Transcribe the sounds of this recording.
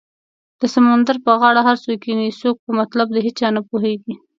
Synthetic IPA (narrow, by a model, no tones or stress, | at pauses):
d̪̥əsamand̪aɾpəɣɑɽaɦaɾsokinisok̚pəmat̪lab̚d̪əɦet͡ʃɑnapoɦeɡi